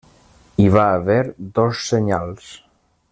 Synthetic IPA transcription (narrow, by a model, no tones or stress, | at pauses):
iβaːβɛɾd̪ɔsːeɲalˠs